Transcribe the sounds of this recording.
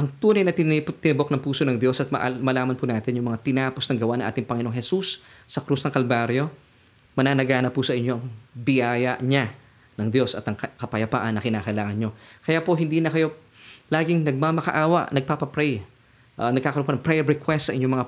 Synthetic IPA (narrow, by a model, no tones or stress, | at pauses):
ʔɐŋt̪uːnɐjnɐt̪t̪ɪnɪbo̞k̚nɐŋpuːsonɐŋd̪jo̞sɐt̪̚mɐʔmɐlaːmɐnpunaːt̪ɪnjʊŋmɐŋat̪ɪnaːposnɐŋɡɐwaʔnɐŋʔa̰ːt̪ɪŋpɐŋɪnooŋhɛsusːɐkɾusnɐŋkɐlbaːɾjo̞ | mɐnaːnɐɡaːnɐpusɐʔɪɲːo̞ʔɐŋbɪjaːjɐʔɲa | nɐŋd̪jo̞sɐt̪ɐŋkɐpɐjɐpa̰ːʔɐnːɐkɪnaːkɐjlaːŋɐnɲo̞kɐjaːpo̞ɦɪnd̪iːnɐkɐjo̞ | laːɡɪŋnɐɡ̚mamɐkɐ̰ʔaːwɐ̰ʔnɐɡ̚papɐpɾɛj | ʔnɐɡkaːkɐɾoponɐpɾɛɾɛkwɛst̪sɐʔɪɲo̞mɐŋa